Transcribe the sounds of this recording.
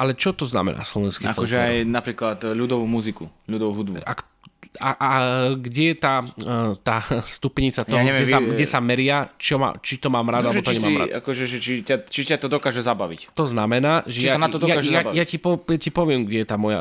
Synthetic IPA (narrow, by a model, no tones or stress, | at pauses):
alɛt͡ʃɔt̪ɔzna̰mɛ̰na̰ːslɔʋɛnskiafɔʒɛajnapɾiːklat̪ʎud̪ɔʋuːmuzikuʎud̪ɔʋuɦud̪bṵak | aʔaɡɟɛjɛt̪aːt̪aːst̪upɲit͡sat̪ɔaɲɦɛʋɛɛaɡɟɛsamɛɾɪat͡ʃɔma̰t͡ʃit̪ɔmaːmɾad̪albt͡ʃ̪ɔɲɛɛmaːma̰a̰kɔʒɛʒɛt͡ʃitat͡ʃicat̪ɔd̪ɔkaːʒɛzabaʋḭct̪ɔznamɛnaːʒɛt͡ʃjiasanat̪ɔd̪ɔjaaʒajacipɔjacipɔʋɪɛmɡɟɛjɛt̪aːmɔja̰